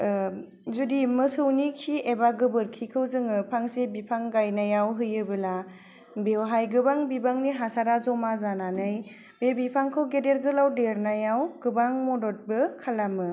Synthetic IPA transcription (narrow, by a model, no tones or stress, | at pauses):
zudimɯsɯwnikʰiebaɡɯbɯɾkʰikʰɯwzɯŋɯpʰaŋsebipʰaŋɡajnajawɦɯjɯbɯla | bewɦajɡɯbaŋbibaŋniɦasaɾazɔmazananɯj | bebipʰaŋkʰɯwɡedeɾɡɯlawdeɾnajawɡ̥ɯbaŋmɔdɔt̚bɯkʰalamɯ